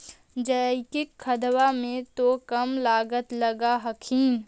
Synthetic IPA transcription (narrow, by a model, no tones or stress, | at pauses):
d͡ʒəkɪkʰːɐd̪wamẽt̪okɐmlaːɡət̪lɐɡaɦɐkʰiːn